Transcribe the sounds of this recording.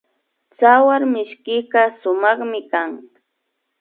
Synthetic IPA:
t͡sawaɾmɪʃkɪqɑʃʊmɑχmɪkaŋ

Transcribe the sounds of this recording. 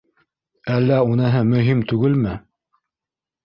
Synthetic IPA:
ælːæunɤ̆ɦɤmɵ̆ɦimt̪ʉɡɘlmɘ

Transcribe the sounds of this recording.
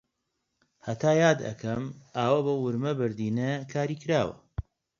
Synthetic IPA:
hɐt̪ʰaːjaːd̪ɐ̰kʰɐmaːwɐbowwʊɾmɐbɨɾd̪iːnekʰaːɾiːkɾaːwɐ̰

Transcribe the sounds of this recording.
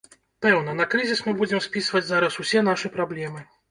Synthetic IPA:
pɛwnɐnɐkɾɨzʲismɨbud͡zʲɛmsʲpʲisvɐd͡zʲzaɾɐsusʲɛnaʂɨpɾablʲɛmɨ

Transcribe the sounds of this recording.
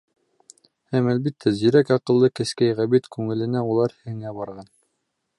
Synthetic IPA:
hæmælbit̪ʰːæzĭɾækɑqɤ̆lˠːɤkɘ̆skæjʁæbit̪kʉŋɘ̆lɘ̆næulˠɑɾhɘ̆ŋæbɑɾʁɑn

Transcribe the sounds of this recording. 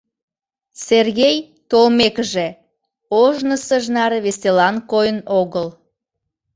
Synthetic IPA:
serɣʲej | t̪olmekəʒe | oʒnəsəʒnɑɾβeselɑnkojənoɣəl

